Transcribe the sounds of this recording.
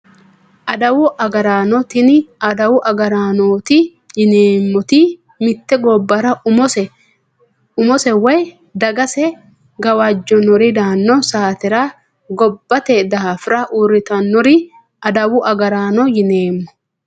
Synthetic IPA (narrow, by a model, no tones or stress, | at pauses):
ʔɐd̪ɐwʊʔɐɡɐɾaːnɔt̪ɪnɪɐd̪ɐwʊʔɐɡɐɾaːnoːt̪ɪ | jɪneːmːɔt̪ɪ | mɪt̪ːɛɡɔbːɐɾɐɔsɛ | ʊmɔsɛwɔj | d̪ɐɡɐsɛ | ɡɐwad͡ʒːɔnɔɾɪd̪aːnːɔsaːt̪ɛɾa | ɡɔbːɐt̪ɛd̪afɾɐʔuɾɪt̪ɐnːɔɾɪ | ʔɐd̪ɐwʊʔɐɡɐɾaːnɔjɪneːmːɔ̥